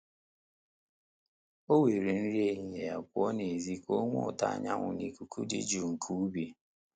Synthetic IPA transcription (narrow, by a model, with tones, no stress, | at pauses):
o˦we˨ɾe˨n̩˦ɾi˦e˦ɲi˨ɦe˨ja̰˨kʷʊ˦ɔ˦ne˨zi˦ko˦ŋʷʊ̰˦ʊ˨ta̰˦˨ɲa̰˦ŋʷʊ̰˨ni˨ku˨kʰu˦dḭ˦d͡ʒu˨ŋ̩˨kʰu˦u˦bi˨